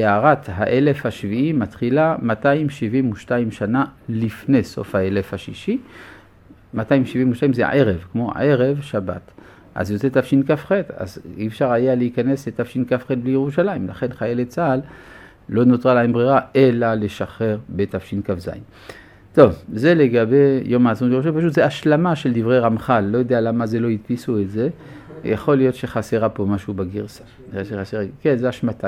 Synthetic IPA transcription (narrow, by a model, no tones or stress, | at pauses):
jeaʁat̪ɦa̰ʔe̞le̞fhaʃviʔimatχilamataimʃivimuʃtaimʃanalifne̞so̞̰fhae̞lefhaʃiʃi | mataimʃivimuʃtaimzḛʕeʁe̞vkmo̞ʕeʁe̞vʃaba̰t | ʔa̰zjot͡set̪afʃinkafχeda̰ziːfʃaʁajaleikane̞slet̪afʃinkafχed̚blijeʁuʃalaimla̰χe̞nχajelet͡sal | lo̞notʁalaimbʁiʁaʔelaleʃaχe̞ʁbe̞tafʃinkavza̰im | t̪o̞vze̞leɡabe̞jomaːzonjeouʃepaʃut̪zeaʃlamaʃeld̪ivʁejʁamχalːo̞jod̪ealamaze̞lo̞it̪pisuetze̞ | ja̰χo̞lijo̞t̪ʃe̞χaseʁapo̞maʃubaɡiʁsḁ | ʃeχaseʁakenzeaʃmat̪a